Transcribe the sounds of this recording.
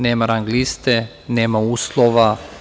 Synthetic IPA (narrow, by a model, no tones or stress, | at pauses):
neːmaɾaŋɡlist̪e | neːmauːslˠoʋa